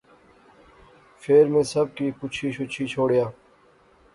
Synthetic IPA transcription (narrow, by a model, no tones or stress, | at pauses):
fʰeːɾmẽːsəb̚kiːkʊt͡ʃʰiːɕʰʊt͡ʃʰiːt͡ʃʰoːɽjaː